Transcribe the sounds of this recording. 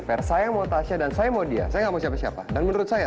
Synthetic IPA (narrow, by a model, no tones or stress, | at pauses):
pɛrsajamot̪aʃadansajamodia̰sajaŋɡamasiapasiapadanmənuɾʊt̪̚saja